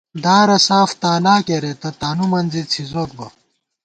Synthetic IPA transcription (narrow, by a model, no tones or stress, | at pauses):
d̪aːɾɐsaːft̪aːlaːkeɾet̪ɐt̪aːnumɐnd͡zit͡sʰizoːk̚bɐ